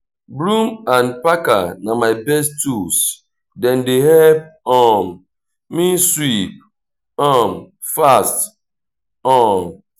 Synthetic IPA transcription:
bɾumanpaka̰namaɪbɛstus | dɛn̩dɪɦɛp̚ɔm | miswip̚ | ɔm | fast | ɔm

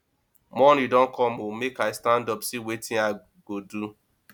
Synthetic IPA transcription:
mɔnidɔ̃nkʰɔ̃momekaɪstãndɔpsewetɪ̃a | ɡodu

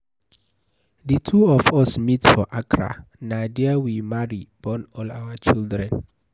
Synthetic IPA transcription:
ditʰuɔfɔsmitfɔʔakʰɹa̰nadɛawimaɹib̥ɔ̃nɔlawat͡ʃildɹɛ̃n

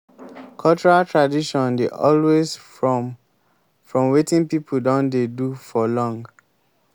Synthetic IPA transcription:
kʰɔlt͡ʃɔɹaltʰɹadiʃɔ̃ndeʔɔ̰lwez | fɹɔ̃mwetĩnpipʰuldɔ̃ndedufɔlɔ̃ŋɡ

